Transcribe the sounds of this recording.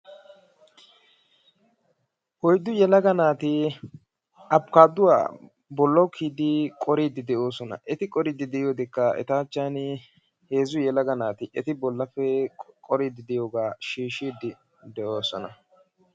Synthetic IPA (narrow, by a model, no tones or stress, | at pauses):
hɔjd̪ːʊjɛlɐɡɐnaːt̪ɪ | ʔɐpkaːd̪ʊwa̰ː | bɔlːɐwkʰːiːd̪ɪkʼɔɾiːd̪ːɪd̪ɛʔo̞ːsɔnɐ̰ʔɛt̪ɪkʼɔɾiːd̪ɪd̪ɛjoːd̪ɪkːɐɛ̰t̪aːt͡ʃːaːn | he̞ːzʊjɛlɐɡɐnaːt̪ɪʔɛt̪ɪbɔlːɐfːɛkʼɔɾiːd̪ɪd̪ɛjo̞ːɡaːʃiːʃːiːd̪ɪ | d̪ɛʔo̞ːsɔnɐ̰